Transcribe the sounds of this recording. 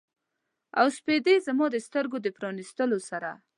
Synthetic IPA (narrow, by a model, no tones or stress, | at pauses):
awsped̪ezamɑd̪əst̪əɾɡod̪əpɾɑnist̪əlosaɾa̰